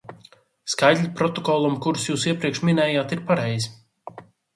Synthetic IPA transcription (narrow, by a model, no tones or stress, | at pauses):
skajd̪ʲlʲipɾɔt̪ɔkɔlˠumkuɾusjuːsiɛpɾiɛkʃmʲinɛːjaːt̪iɾpaɾɛjz